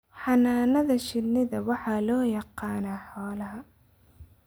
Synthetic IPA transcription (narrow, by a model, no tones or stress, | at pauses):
ħɑnaːnɐðɐʃɪlnɪðɐwɑħɑlɔːjɑqɑːnaːħɔːlɐɦɐ